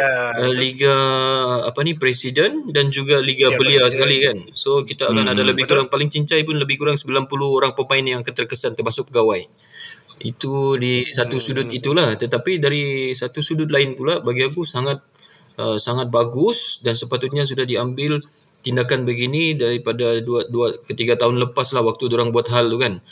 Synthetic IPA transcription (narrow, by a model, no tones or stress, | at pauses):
əliɡaː | panipɾesidəndand͡ʒuɡaliɡabəliasəkalikansokit̪aːkanadaləbɪhkuɾaŋpalɪŋt͡ʃiɲt͡ʃajpʊnləbɪhkuɾaŋsəbilanpuluhoɾaŋpəmaɪnjaŋkət̪ərkəsant̪ərmasʊk̚pəɡawaj | ḭt̪udisat̪usudʊt̪̚it̪ulaht̪ət̪apidaɾisat̪usudʊt̪̬̚laɪnpulabaɡiakusaŋat̪̚ | ʔəsaŋat̪̚baɡʊsdansəpat̪ʊt̪̚ɲas̬udahdiambɪl | t̪indakanbəɡinidaɾipadaduaduakət̪iɡat̪aɦʊnləpaslahwak̚t̪udoɾaŋbuat̪̚ɦalt̪ukan